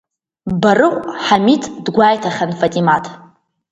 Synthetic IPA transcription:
barɨqʷʼħamitʰʼdɡʷaːjtʰaχʲanfatʼimatʰ

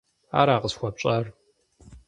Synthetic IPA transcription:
a̰ːɾaːqəzxʷɐpɕʼɐr

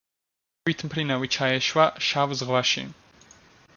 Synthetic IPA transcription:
it̪ʰmpʰɾinavit͡ʃʰaɛʃwaʃavzʁlaʃḭ

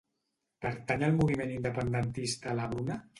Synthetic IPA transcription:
pəɾt̪aɲaəlˠmuβimenind̪əpənd̪ənt̪ist̪alaβɾuna

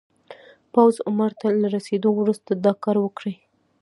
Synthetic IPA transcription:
pawzʊmaɾt̪alaɾased̪owɾust̪ad̪ɑkɑɾwəkɽəj

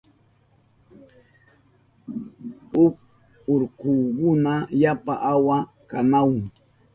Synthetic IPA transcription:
ʊp̚ | ʊɾkʊːkʊnajapa̰ʔawa | kanawŋ

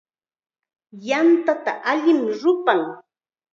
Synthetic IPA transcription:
jant̪at̪aʔaʎɪmɾʊpaŋ

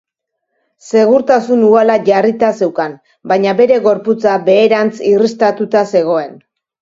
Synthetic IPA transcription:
se̞ɣ̞uɾt̪asunualaʝarit̪ase̞wkan | baɲabe̞ɾe̞ɣo̞ɾput͡sabe̞ːɾant͡sirist̪at̪ut̪ase̞ɣ̞o̞e̞n

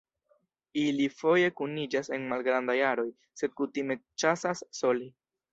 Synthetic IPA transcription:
ilifo̞je̞kunid͡ʒase̞nmalɡɾandajaɾo̞j | se̞d̚kutime̞t͡ʃasasːo̞li

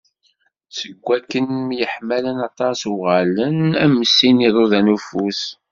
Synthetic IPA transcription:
səɡʷːækːənmjəħmælənɑt̪ˤɑsʁælənæmːəsːiniðˤoðænufus

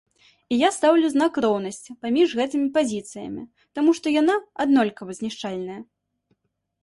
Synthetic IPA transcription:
ijast̪awlʲuznakrɔwn̪ɐsʲt͡sʲipamʲiʐɣɛt̪ɨmʲipazʲit̪sɨjɐ̰mʲḭ | t̪amuʂt̪ɔjanaad̪nɔlʲkɐvɐzʲnʲiʂt͡ʂalʲnɐjɐ

